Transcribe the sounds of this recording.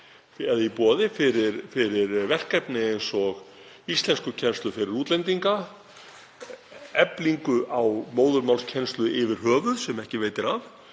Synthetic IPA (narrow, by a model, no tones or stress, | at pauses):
ɛðaipɔːðɪfɪɾɪɾfɪɾɪɾvɛr̥kajpnɪejnsɔɣ | ist̪lɛnskʏcʰɛnst̪lʏfɪɾɪɾuːt̪lɛnt̪iŋka | ɛpliŋkʏʔawmoːwðʏɾmawlscʰɛnst̪lʏɪvɪɾ̥hœːvʏsɛmɛhcɪveːjt̪ɪɾaf